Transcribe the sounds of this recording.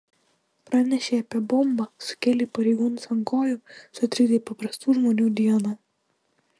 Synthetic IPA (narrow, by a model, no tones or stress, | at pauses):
pɾɑːnʲɛʃʲeːɐpʲiɛbɔmbɐsʊ̥kʲeːlʲipɐɾʲɛɪɡuːnʊsɐŋkoːjusʊɐt̪ʲɾʲid̪ʲɛɪpɐpɾɐst̪uːʒmoːnʲuːd̪ʲiɛnɐ